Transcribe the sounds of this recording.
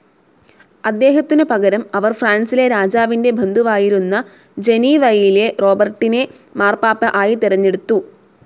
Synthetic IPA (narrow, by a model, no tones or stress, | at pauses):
ɐd̪ːe̞ːɦɐt̪ːinɨpɐɣɐɾɐmɐʋɐrfraːnsile̞ɾaːd͡ʑaːʋinde̞bʱɐnd̪ʱuʋaːjiɾunːɐ | d͡ʑe̞niʋɐjile̞ro̞ːbɐrʈːine̞ | maːrpaːpːɐʔaːjit̪iɾɐɲːeɽut̪ːu